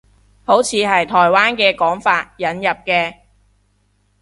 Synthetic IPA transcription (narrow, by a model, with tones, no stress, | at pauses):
ho˨˥wt͡sʰiː˨˧ɦɐ˨jt̪ʰɔː˨˩jwaː˥nkɛː˧kɔː˨˥ŋfaː˧t̚jɐ˨˥njɐ˨p̚kɛː˧